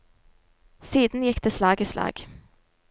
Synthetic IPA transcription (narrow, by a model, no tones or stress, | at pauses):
siːd̪n̩jɪkːd̪eːslɑːɡiːslɑ̰ːɡ